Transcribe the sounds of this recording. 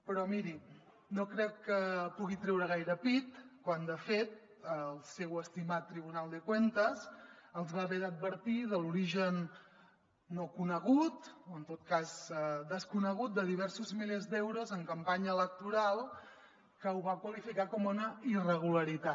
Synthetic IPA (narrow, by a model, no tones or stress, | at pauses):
pɾɔmiɾi | nokɾɛkːəpuɣit̪ɾɛwɾəɣ̞ajɾəpit̪kwand̪əfet̪ | əlˠsewəst̪imat̪ːɾiβunalˠd̪əkwent̪əzəlˠzβaβeðəd̪̚bəɾt̪iðəluɾiʒən | okunəɣut̪oənt̪ot̪̚kazd̪əskunəɣ̞ut̪̚d̪əðiβ̞ɛɾsuzmilezd̪ɛwɾozəŋkəmpaɲəːlək̚t̪uɾalˠ | kəuβakwəlifikakɔmunəirəɣ̞uləɾit̪a